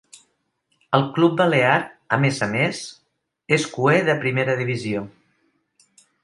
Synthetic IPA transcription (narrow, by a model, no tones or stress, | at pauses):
əlˠklub̚bəleaɾəmezəmes | eskueðəpɾimeɾəðiβ̞izio